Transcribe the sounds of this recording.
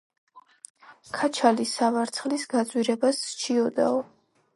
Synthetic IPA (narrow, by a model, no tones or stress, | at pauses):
kʰat͡ʃʰalisavaɾt̪sʰχlisɡad̪zʼwiɾɛbast͡ʃʰiɔd̪a̰ɔ